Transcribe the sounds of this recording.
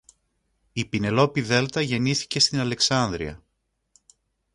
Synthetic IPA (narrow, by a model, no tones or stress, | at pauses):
ipine̞lo̞piðe̞lt̪ɐʝe̞niθi̥ce̞st̪inɐle̞ksɐnd̪ɾiɐ̰